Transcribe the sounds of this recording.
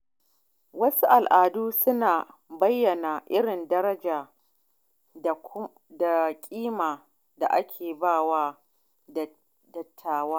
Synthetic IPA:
wɐ˦su˦ʔa˨lʔaː˨duː˦sʊ˦naː˨bɐ˦jːɐ˨na˨ʔɪ˦ɽɪ˨ndɐ˦ɾɐ˦d͡ʒaː˨ | da˨kʲʼiː˦maː˨ | da˨ʔa˦kʲʰeː˨baː˦˨waː˦ | dɐ˨tʰːaː˨waː˦

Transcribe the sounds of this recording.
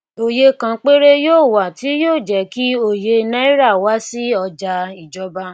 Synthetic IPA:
o˨je˧kã˧k͡pe˦ɾe˦joː˦˨wa˨ti˨˦joː˦˨d͡ʒɛ˨ki˦o˦˨je˧nã˦i˦ɾa˦˨wa˨˦si˦ɔ˧d͡ʒa˧i˨d͡ʒɔ˨˦ba˦

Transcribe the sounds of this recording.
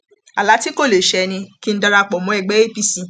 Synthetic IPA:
a˨la˨˦ti˦ko˦˨le˨ʃɛ˨˧nĩ˧ki˦n̩˦da˧ɾa˧˨k͡pɔ˨mɔ̃˨˦ɛ˨ɡ͡bɛ˨˦e˦pi˦˨sĩ˧

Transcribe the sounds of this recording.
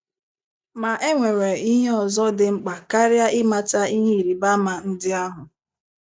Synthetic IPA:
ma˨ʔe˦ŋʷe˨ɾe˨i˦ɦe˦ɔ˨zɔ˦dɪ˨ŋ͡m̩˨k͡pa˨ka˦ɾja˦ʔɪ˦ma˦ta˦i˦ɦe˦i˨ɾi˨ba˦ma˨n̩˦dɪ˦a˦ɦʊ˨

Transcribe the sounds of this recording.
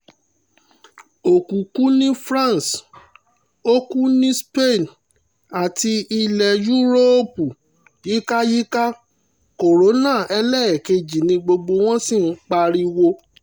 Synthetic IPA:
o˨kũ˨kũ˨˦nĩ˦fɾã˦˨s | o˦ku˦nĩ˦spe˦˨n | a˨ti˧i˧lɛ˨ju˦ɾo˦pu˨ | ji˦ka˦ji˦ka˦ | ko˨ɾo˨˦nã˦˨ɛ˧lɛ˦˨ɛ˨ke˧d͡ʒi˨nĩ˧ɡ͡bo˧ɡ͡bo˧w̃ɔ̃˦si˦˨n̩˦k͡pa˧ɾi˧wo˧

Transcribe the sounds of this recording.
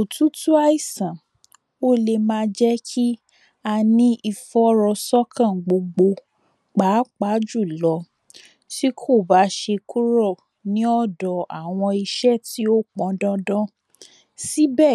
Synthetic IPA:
o˨tũ˦tu˦a˦i˦˨sã˨ | o˦le˧mãː˧˦d͡ʒɛ˦kʰi˦ | a˧nĩ˦i˧fɔ˦ɾɔ˧sɔ˦kʰã˦˨ɡ͡bo˧ɡ͡bo˧ | k͡pa˨˦k͡pa˨˦d͡ʒu˦˨lɔ˨˧˦ | ti˦kʰo˦˨ba˨˦ʃe˧ku˦ɾɔ˦˨ | nĩ˦ɔ˦˨dɔ˨a̰˨w̃ɔ̃˧i˧ʃɛ˦˨ti˨˦o˦k͡pɔ̃˨˦dɔ̃˦dɔ̃˦ | si˦bɛ˦˨

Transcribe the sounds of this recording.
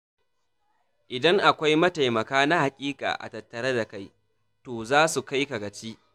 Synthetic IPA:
ʔɪ˨dɐ˦ŋʔa˨kʷa˦jmɐ˦ta˨jmɐ˨kaː˦na˦ha˨kʲʼiː˦kʼa̰ː˨ʔa̰˨tɐ˨tːɐ˨ɾɐ˦da˨ka˦j | toː˨zaː˦su˨ka˦jka˨ɡɐ˨t͡ʃiː˦ʔ

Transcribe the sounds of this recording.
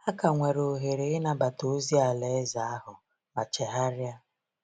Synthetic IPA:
a˦ka˨ŋʷe˨ɾo˨ɦe˨ɾe˨ɪ˦na˨ba˨to˨˦zi˦a˨le˨˦za˨a˦ɦʊ˨ | ma˨t͡ʃe˨ɦa˦ɾja˦

